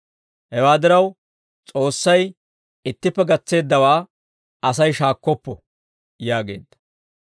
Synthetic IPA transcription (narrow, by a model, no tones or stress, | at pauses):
hɛwaːd̪ɪɾɐw | t͡sʼo̞ːsːɐj | ɪt̪ːɪpːɛɡɐt͡sːe̞ːd̪ːɐwaː | ɐsɐjʃaːkːɔpːɔ | jaːɡe̞̰ːd̪ːɐ̥